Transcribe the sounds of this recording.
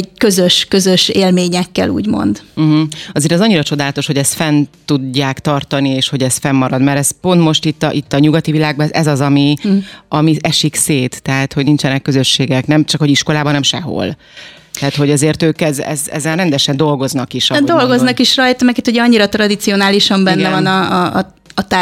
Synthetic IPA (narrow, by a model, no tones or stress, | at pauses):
kø̞zøʃkø̞zøʃeːlmeːɲɛkːɛ̰lṵːɟmo̞̰nd̪̩ɦ̩ɒzeːɾɛzɒɲːiɾɒt͡ʃo̞d̪aːlɒt̪oʃho̞ɟɛst̪fɛnt̪uɟːaːkt̪ɒrt̪ɒnieːʃho̞ɟɛst̪fɛmːɒɾɒd̪mɛɾɛspo̞nt̪mo̞ʃt̪it̪ːɒʔit̪ːɒɲuɡɒt̪ivilaːɡ̚bɒɛzɛzɒzɒmiɒmiɛʃikseːt̪ːɛɦat̪hoɟnint͡ʃɛnɛkːøzø̞ʃːeːɡɛknɛmt͡ʃɒkho̞ɟiʃko̞laːbɒɒnɛmʃɛ̰ɦo̞̰l | t̪ɛɦat̪ho̞ɟɒzeːrt̪øːkɛzɛ̰zɛ̰zːɛrrɛnd̪ɛʃɛnd̪o̞lɡo̞znɒkiʃdd̪o̞lɡo̞znɒkiʃrɒjt̪ɒmɛkit̪huɟɛɒɲːiɾɒt̪rɒd̪it̪sio̞naːliʃɒmbɛnːɛvɒnɒː | t̪a